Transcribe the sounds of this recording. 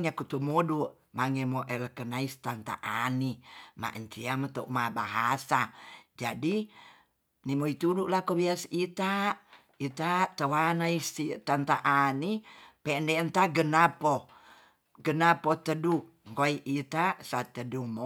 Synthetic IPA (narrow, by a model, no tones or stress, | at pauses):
ɲakut̪umoduʔ | maŋemoʔələkənaist̪ant̪a̰ʔanima̰ʔəɲt͡ʃiamət̪oʔmabaɦasad͡ʒadi | nimoit̪uduʔlakobiasit̪a | it̪at̪əwanaisit̪ant̪aʔanipɛndɛənt̪aɡənapo | ɡənapot̪ədu | ŋkoiʔit̪asat̪ədumo